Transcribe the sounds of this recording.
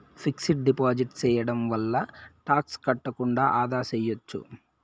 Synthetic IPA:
pʰiksiʈ̚ɖipaːd͡ʒiʈt͡ʃɛːjɐɽɐmʋɐlːɐʈaːkskɐʈːɐkuɳɖaːʔaːd̪aːsɛjot͡ʃːṵ

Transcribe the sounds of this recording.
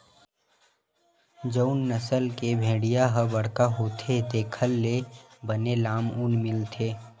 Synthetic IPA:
d͡ʒəʊnːəsəlkebʱeːɽijaɦəbɐɽkaɦoːt̪ʰet̪eːkʰəlːebənelaːmʊnmɪlt̪ʰeː

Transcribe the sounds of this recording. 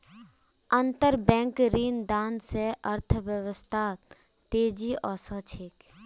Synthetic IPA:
ə̃nt̪əɾbɛ̃ːŋkɾiːnd̪aːnseʔəɾt̪ʰʋjəʋəst̪ʰaːt̪eːd͡ʒiʔɔːsət͡ʃʰeːk

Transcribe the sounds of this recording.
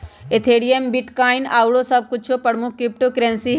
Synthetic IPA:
et̪ʰeːɽiembiʈkaːina̰ːwɽosɐb̚kʊt͡ʃʰopɐɽmũkɾɪp̚ʈokɾẽnsi

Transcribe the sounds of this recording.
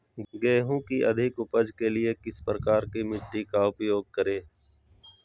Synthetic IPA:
ɡeːɦũkiʔɐ̰d̪ʱɪkʊpəd͡ʒkelɪekɪspɾəkaːɾkimɪʈːikaʊpjoːɡ̚kɐɾeː

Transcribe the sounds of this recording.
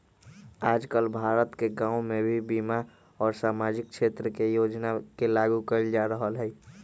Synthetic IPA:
aːd͡ʒkəlbʱaːɾət̪keɡãːõmẽbʱibima | ɔːɾsaːmaːd͡ʒɪk̚ʃʰeːt̪ɾəkejoːd͡ʒnakelaːɡukəɾld͡ʒaɾəɦəlɦɛː

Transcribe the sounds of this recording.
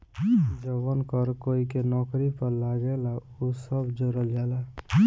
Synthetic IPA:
d͡ʒəbənkəɾkoːikenɔːkɾipəɾlaːɡela | usəbd͡ʒoɾəld͡ʒaːla

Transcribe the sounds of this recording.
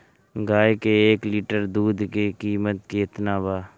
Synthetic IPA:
ɡaːjkeeːkliːʈəɾd̪uːd̪kekiːmət̪̚keːɪt̪naːbaː

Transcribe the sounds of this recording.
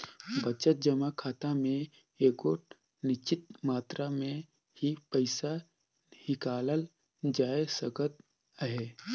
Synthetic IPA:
bət͡ʃət̪̚d͡ʒəmakʰaːt̪amẽ | eːkoːʈ̚ | nɪt͡ʃɪt̪̚maːt̪ɾamẽ | hipəɪsa | hɪkaːləl | d͡ʒaːesəɡət̪̚ | əɦeː

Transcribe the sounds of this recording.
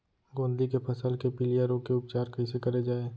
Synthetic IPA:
ɡõːnd̪likepʰɐsəlkepɪlijəɾokeʊp̚t͡ʃaːɾkɐɪsekɐɾed͡ʒaːeː

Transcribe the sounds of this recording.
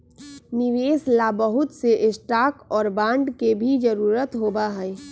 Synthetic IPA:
nɪʋeːslabəɦʊt̪seʔɪsʈaːkɔːɾbãːɳɖkebʱid͡ʒəɾuːɾət̪ɦoːbaɦɛː

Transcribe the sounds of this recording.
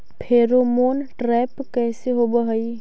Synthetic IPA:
pʰeːɾomoːnʈɾɛːpkɛːseɦobəɦəi

